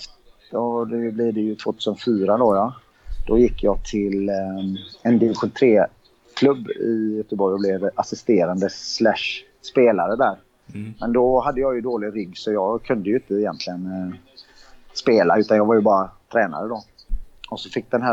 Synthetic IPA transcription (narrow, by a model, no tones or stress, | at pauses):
d̪̥ɔd̪ɛblɪd̪ɛjɵt̪ʰvoːt̪ʰʉ̟ːsənfyːɾad̪ɔja | d̪̥ɔjɪkːjɑːɡt̪ʰɪl | ɛnd̪ɪvɪɧʊt̪ʰɾeː | kʰlɵbːɪjœt̪əbɔɾjɔblɛvasɪst̪eːɾand̪əslæʂ | speːlaɾəd̪æːɾ | mɛnd̪ɔhad̪ːəjɑjɵd̪oːlɪɾʏɡːsɔjɑːɡkʰɵnd̪əjɵɪnt̪əɪjɛ̰nt̪lɪɡən | speːlaʉ̟ːt̪anjɑːvaɾjɵbɑːɾat̪ʰɾɛːna̰ɾəd̪ɔ | ɔsɔfɪk̚ːd̪ɛnɦæ